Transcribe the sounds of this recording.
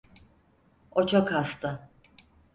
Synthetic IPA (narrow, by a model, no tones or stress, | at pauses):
ot͡ʃʰokast̪ʰɯ